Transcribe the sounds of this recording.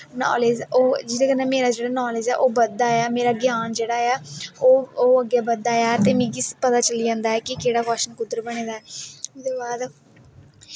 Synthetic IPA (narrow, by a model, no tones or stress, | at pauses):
nɔ̰ːleːd͡ʒoːd͡ʒɪd̪ẽːkənːɛːmeːɾaːd͡ʒeːɽaːnɔːleːd͡ʒɛːʔoːbəd̪ːaːjaːmeːɾaːɡjaːnd͡ʒeːɽaːjaːoːoːəɡːeːbəd̪ːaːjaːt̪eːmĩːkɪspət̪aːt͡ʃəliːd͡ʒãːnd̪aːɛːkɪkeːɽaːkɔːʃənkʊd̪əɾbəɽ̃eːd̪aːɛːʊd̪eːbaːd̪